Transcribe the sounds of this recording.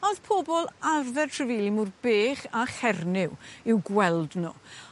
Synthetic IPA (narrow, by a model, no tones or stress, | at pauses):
ɔðpʰɔbɔlˠarðɛrtʰrəvilˠimʊrbeːχaχɛrnɪwɪwɡwɛlˠdnɔ̰